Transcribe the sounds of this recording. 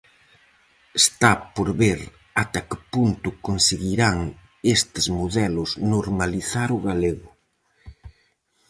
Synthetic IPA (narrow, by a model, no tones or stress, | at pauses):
est̪apoɾβeɾ | at̪akɪpunt̪ʊkonseɣiɾaŋ | est̪ɪzmoðɛlʊsznoɾmaliθaɾʊɣaleɣʊ